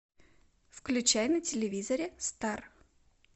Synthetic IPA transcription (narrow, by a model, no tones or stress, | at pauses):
fklʲʉt͡ɕæjnətʲɪlʲɪvʲizəɾʲɪst̪ar